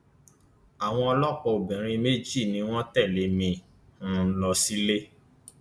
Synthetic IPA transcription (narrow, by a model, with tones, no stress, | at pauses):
a˨w̃ɔ̃˧ɔ˧lɔ˦k͡pɔ˧o˨bɛ̃˨ɾ̃ĩ˧me˦d͡ʒi˦˨nĩ˧˦w̃ɔ̃˦tɛ˦˨le˨˦mĩ˧˦˨ | lɔ˧si˦le˦